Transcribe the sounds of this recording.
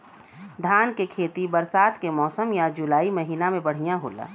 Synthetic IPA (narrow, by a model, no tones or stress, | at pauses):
d̪ʱaːnkekʰeːt̪ibəɾsaːt̪kemɔːsəmjad͡ʒʊlaːimɐɦiːnamẽbɐɽ̤ijãɦo̰ːla̰ː